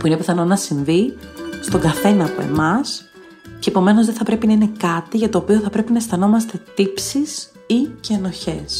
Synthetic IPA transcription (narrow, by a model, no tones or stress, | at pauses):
puinepiθɐno̞nɐsiɱvist̪o̞ŋɡɐθe̞nɐːpoe̞̰mɐs | ce̞po̞me̞no̞zðeθɐpɾe̞pinɐine̞kɐt̪iʝɐt̪o̞ːpio̞θɐpɾe̞pinɐst̪ɐno̞mɐst̪e̞t̪ipsis | iceɐno̞çe̞s